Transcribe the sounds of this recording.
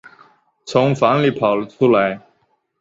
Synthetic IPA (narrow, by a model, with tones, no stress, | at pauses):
t͡sʰʊ˧˥ŋfa˧˥ŋli˨˩pʰɑ˨˩ʊlə˦ʈ͡ʂʰu˥la˧˥ɪ